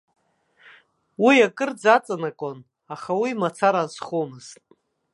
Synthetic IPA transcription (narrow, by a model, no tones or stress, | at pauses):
wijakʼɨrd͡zat͡sʼanakʼon | aχawimat͡sʰaɾazχomɨz̥tʼ